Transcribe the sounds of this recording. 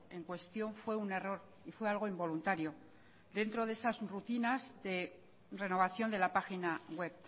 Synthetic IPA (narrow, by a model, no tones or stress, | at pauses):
e̞ŋkwe̞st̪jo̞ɱfwe̞une̞ro̞ɾ | ifwe̞alɣ̞o̞imbo̞lunt̪aɾjo̞ | d̪e̞nt̪ɾo̞ðe̞sazrut̪inazðe̞ | re̞no̞β̞aθjo̞nd̪e̞lapaxinaɣwe̞β